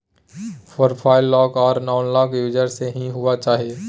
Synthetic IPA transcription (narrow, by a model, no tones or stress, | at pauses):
pʰoːɾpʰaːɪlːɔːkɔːɾnaːʊnlɔːkjuːd͡ʒəɾseɦĩɦʊat͡ʃaːɦieː